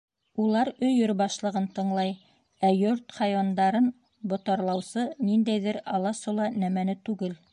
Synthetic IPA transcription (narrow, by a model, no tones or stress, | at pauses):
ulˠɑɾɵ̆jɵɾbɑʃlˠɤ̆ʁɤnt̪ɤ̆ɴlˠɑj | æjɵɾt̪χɑjwɑnd̪ɑɾɤn | bŏt̪ɑɾlˠɑwsɤnind̪æjðɘɾɑlˠɑsolˠɑnæmænɘt̪ʉɡɘl